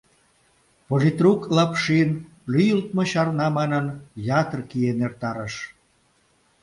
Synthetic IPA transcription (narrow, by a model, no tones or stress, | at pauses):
polʲit̪ruklɑpʃin | lyjəlt̪moɕɑrnɑmɑnənjɑt̪ərkienert̪ɑɾəʃ